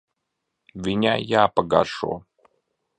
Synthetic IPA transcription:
mʲɪnʲajapəɡa̰ʂo̰

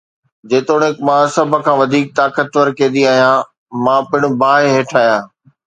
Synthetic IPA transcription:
d͡ʑeːt̪oːɽ̃eːkmãsɐbʱkʰãːʋɐd̪ʱiːk̚t̪aːkət̪ʋəɾkẽːd̪iaːɦijãː | mãːpɪɽ̃ubaːɦeɦeːʈʰaːjãː

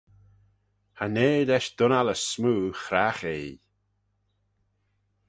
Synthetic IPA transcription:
haneːdɛʃd̪̥ʊnaləsmuːxɾaxeː

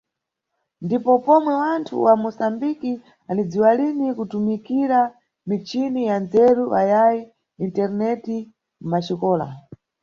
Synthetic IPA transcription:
ndipɔpɔmwɛwantʰṵwamɔsambiki | anid͡ziwalinikutumikiɾa | mit͡ʃinijand͡zɛɾuajaji | intɛɾnɛti | m̩maʃikɔːla̰

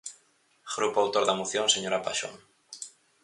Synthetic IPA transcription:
ɣɾupoawt̪oɾðamoθjoŋseɲoɾapaʃo̰ŋ

